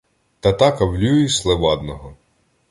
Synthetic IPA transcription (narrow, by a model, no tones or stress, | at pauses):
t̪ɐt̪ɑkɐwlʲujislˠeʋɑd̪nɔɦɔ